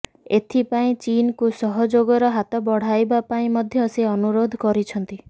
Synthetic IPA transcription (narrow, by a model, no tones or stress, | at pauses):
et̪ʰipaĩt͡ʃinkusɔɦɔd͡ʒoɡɔɾɔɦat̪ɔbɔɽ̤ajbapaĩmɔd̪ʱjɔːseɔnuɾod̪ʱkɔɾit͡ʃʰɔnt̪i